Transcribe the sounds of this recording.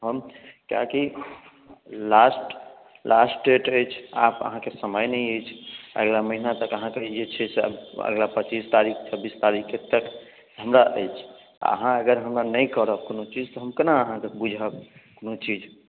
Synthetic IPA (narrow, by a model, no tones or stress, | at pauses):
ɦəmka̰ki | lasʈ | lʔasʈɖeʈəjt͡ʃʰa̰pə̰ɦãkesəməjnəjəjt͡ʃʰə̰ɡlaməɦinat̪əkəɦãked͡ʒet͡ʃʰɛseə̰ə̰ɡlapət͡ʃist̪aɾik̚t͡ʃʰəbist̪aɾikʰet̪ək | ɦəmɾaʔə̰jt͡ʃʰ | a̰ə̰ɦãəɡəɾɦəmɾanəjkəɾəbkonot͡ʃid͡ʒt̪ɔɦəmkənaəɦãkebud͡ʒʱəbkonot͡ʃid͡ʒ